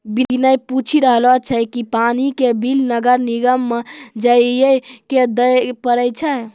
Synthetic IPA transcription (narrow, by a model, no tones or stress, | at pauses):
biinəjput͡ʃʰiɾəɦlɔt͡ʃʰəkipanikebilnəɡəɾniɡəmːed͡ʒəjjejked̪əjpəɾəjt͡ʃʰə